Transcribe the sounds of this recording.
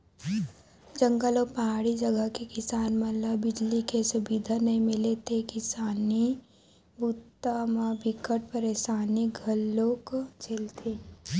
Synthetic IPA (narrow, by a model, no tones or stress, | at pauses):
d͡ʒə̃ŋɡəlopɐɦaːɽid͡ʒəɡəkekɪsaːnmələbɪd͡ʒlikesʊbid̪ʱanɐɦĩmɪlet̪ʰekɪsaːni | bʱut̪ːamãbʱɪkəʈ̚pəɾeːʃaːniɡʱəlːoːkd͡ʒʰelt̪ʰeː